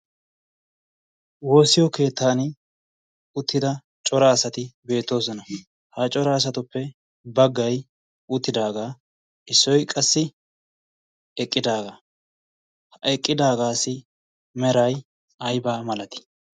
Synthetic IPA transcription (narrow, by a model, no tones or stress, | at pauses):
wo̞ːsɪjɔke̞ːt̪ʰːaːn | ʊt̪ːɪd̪ɐ | t͡ʃʼɔɾaːsɐt̪ɪbe̞ːt̪ːo̞ːsɔnɐ | hat͡ʃʼɔɾaːs̬ɐt̪ʊpːɛ | bɐɡːɐj | ʊt̪ːɪd̪aːɡaː | ɪsːɔjkʼɐsːɪ | ɛkʼːɪd̪aːɡaː | hɐɛkʼːɪd̪aːɡaːsɪ | mɛɾɐj | ɐjbaːmɐlɐt̪ɪ̥